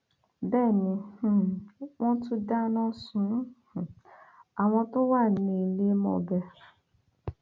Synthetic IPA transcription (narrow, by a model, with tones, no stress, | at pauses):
bɛ˦˨ni˨h̩˨ŋʷɔ̃˦tʊ˦da˦nɔ˦sʊ̃˨˦ha˨ŋʷɔ̃˦tʊ˦wa˦˨ne˨le˦mɔ̰˨bɛ˦˨ɾ